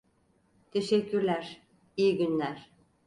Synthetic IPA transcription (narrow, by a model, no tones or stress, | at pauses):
t̪ʰeʃɛcːyɾlʲæɾ̥ | ijiɟynlʲæɾ̥